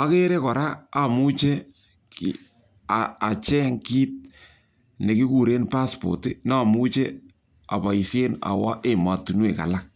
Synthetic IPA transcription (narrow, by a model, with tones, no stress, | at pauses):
a˦ke˦ɾe˦kɔ˨ɾaː˦˨mu˦t͡ʃe˦ | ki | aa˨t͡ʃɛ˦ŋki˦t̚ | ne˨ki˦ku˨ɾe˦npa˦spo̰˨ti˦n˦a˨mu˦t͡ʃe˦ | a˨pa˨i˨se˦na̰˨wa˦ʔe˨ma˨tu˨nwe˨ka̰˨lak̚